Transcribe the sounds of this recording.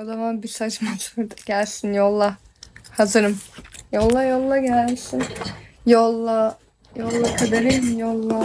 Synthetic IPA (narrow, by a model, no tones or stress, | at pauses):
od̪amanbiɾsat͡ʃmat̪vuɾd̪ɟ̥ælʲsinjolˠːa | hazɯɾɯmjolˠːajolˠːaɟælʲsinjolˠːa | jolˠːakʰad̪aɾɯjjolˠːa